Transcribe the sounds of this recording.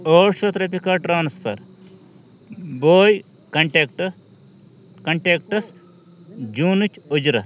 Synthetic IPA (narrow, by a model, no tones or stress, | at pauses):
oːɾʃoːt̪ɾɐpikaʈɾaːnspʰɐ̰ɾ | boːj | kɐɳʈekʈ | kɐɳʈeːkʈɐs | d͡ʒuːnut͡ʃʰud͡ʒɾɐ